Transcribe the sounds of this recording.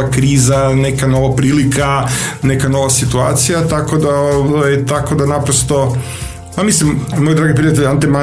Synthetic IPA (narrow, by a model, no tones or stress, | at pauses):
akɾiːzane̞kano̞ʋapɾiːlikʰane̞kano̞ʋasit̪ua̰ːt̪sijat̪ako̞d̪aoʋajt̪ako̞d̪anapɾost̪o̞ | pamislimmojd̪ɾaːɡipɾijat̪̬eʎant̪ema